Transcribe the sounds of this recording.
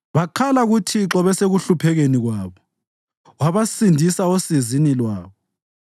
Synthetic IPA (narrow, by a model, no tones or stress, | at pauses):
βaǃʰalaɣutʰiǁɔβɛseɣuɬupʰɛɣeniɣwaːβɔ | waβasindʱisaosizinilwaːβɔ